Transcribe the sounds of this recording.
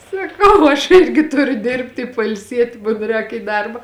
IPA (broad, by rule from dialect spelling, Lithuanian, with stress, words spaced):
sɐˈkɐʊ ɐʃ ˈɪrʲɡʲɪ ˈtʊrʲʊ ˈdʲɪrʲpʲtʲɪ ɪ pɐɪlʲˈsʲiɛtʲɪ mʊn ˈrʲɛːk iː ˈdɐrbɐ